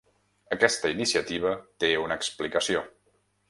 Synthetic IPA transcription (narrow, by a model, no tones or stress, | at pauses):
əkɛst̪əinisiət̪iβ̞ət̪eunəːksplikəsio